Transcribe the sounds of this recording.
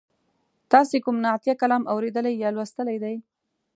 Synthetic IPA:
t̪ɑsekʊmnɑt̪jakalɑmawɾed̪əlajːɑlwast̪əlajd̪aj

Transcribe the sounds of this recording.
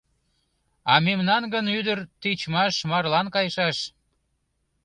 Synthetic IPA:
ɑmemnɑnɡənyd̪ərt̪it͡ɕmɑʃmɑrlɑnkɑjʃɑʃ

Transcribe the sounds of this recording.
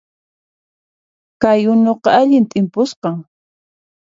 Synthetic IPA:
kajʊnoqɑaʎɪnt̪ʼɪmpʊsqɑŋ

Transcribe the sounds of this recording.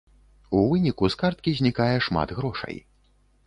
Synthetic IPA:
uvɨnʲikuskart̪̚kʲizʲnʲikajɛʂma̰d̪ɣɾɔʂɐ̰j

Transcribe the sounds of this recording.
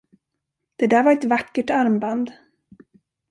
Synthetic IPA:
d̪̥ɛd̪æːɾvaɾɛt̪vakːəʈaɾmband̪

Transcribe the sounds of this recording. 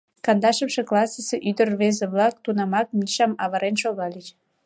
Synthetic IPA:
kɑnd̪ɑʃəmʃe̽klɑsəseʔyd̪ərβezeβlɑk̚t̪unɑmɑk̚miʃɑmɑβəɾenʃoɣɑlʲit͡ɕ

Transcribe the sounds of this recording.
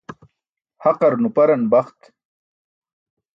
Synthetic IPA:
haqɐɾnupɐɾɐnbaχt̪

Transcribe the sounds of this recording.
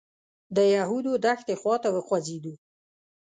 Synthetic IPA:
d̪əjaɦud̪od̪axt̪exwɑt̪awəxwazid̪u

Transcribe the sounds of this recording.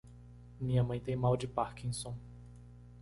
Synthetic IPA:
mĩɲɐmɐ̃j̃t̪ẽj̃mawd͡ʒɪpaɾkĩsõ

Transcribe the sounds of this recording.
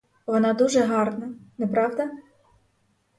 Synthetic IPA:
ʋɔnɑd̪uʒɛɦɑrnɐnɛpɾɑʋd̪ɐ

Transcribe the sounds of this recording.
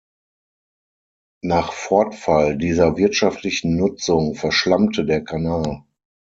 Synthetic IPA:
naːχfɔɐtfaldiːzɐvɪɐtʃaftʰlɪçn̩nʊt͡sʊŋfɛɐʃlamtʰədeːɐkʰanaːl

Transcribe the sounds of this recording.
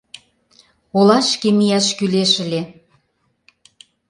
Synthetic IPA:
olɑʃkemijɑʃkyleʃə̆lʲe

